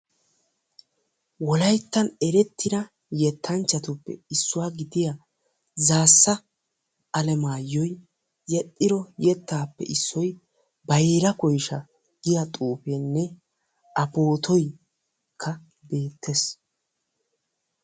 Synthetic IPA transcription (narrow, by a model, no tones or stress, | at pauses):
wɔlɐjt̪ːɐnɛɾɛt̪ːɪd̪ɐ | jɛt̪ʰːɐnt͡ʃːɐt̪ʊpːɛ̰ɪsːʊwaːɡɪd̪ɪja | zaːsːɐ | ɐlɛmaːjːɔj | jɛt̪ʼːɪɾɔjɛt̪ːaːpːɛ̰ʔɪsːɔj | bɐjeɾɐkɔjʃɐ | ɡ̥ɪjɐt̪ʼuːfeːnːɛ | ʔɐpo̞ːt̪ʰɔj | kʰːɐ | be̞ːt̪ʰːes